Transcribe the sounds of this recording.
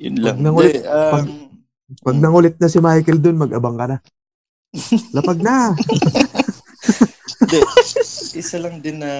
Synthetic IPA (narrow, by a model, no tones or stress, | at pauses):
jʊnlaɡnɐŋʊlɪtɐɡ | pɐɡ̚nɐŋʊlɪt̪̚nɐsɪmajkɛld̪onmɐɡʔɐbaŋkɐna | lɐpɐɡ̚na | ɪsɐlɐŋd̪ɪnːɐ